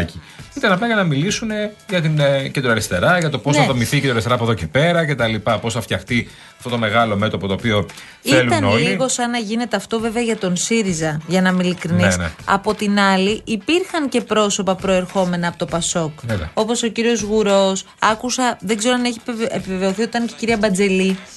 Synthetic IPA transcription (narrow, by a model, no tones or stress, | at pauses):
ci | it̪ɐnɐplɐʝɐnɐmilisune̞ʝɐt̪incend̪ɾoɐɾist̪e̞ɾɐʝɐt̪o̞po̞sθɐðomiθickend̪ɾɐɾst̪eɾɐpoðoce̞pe̞ɾɐce̞t̪ɐlipɐpo̞sθɐft̪çɐxt̪i | ɐft̪o̞t̪ome̞ɣɐlo̞me̞t̪o̞pot̪oːpio | elut̪ɐnoliɣo̞sɐnɐʝine̞t̪e̞ɐft̪o̞ve̞veɐʝɐt̪o̞nsiɾizɐʝɐnɐmilikɾinisnɐ̰po̞t̪inɐliʔipiɾxɐnce̞pɾo̞so̞pɐpɾo̞e̞ɾxo̞me̞nɐːpot̪opɐso̞kvḛɐo̞po̞so̞ciɾio̞zɣuɾo̞s | ɐkusɐðeɡze̞ɾoɐneçiepiveve̞o̞θioit̪ɐnce̞ciɾiɐbɐnd͡ze̞li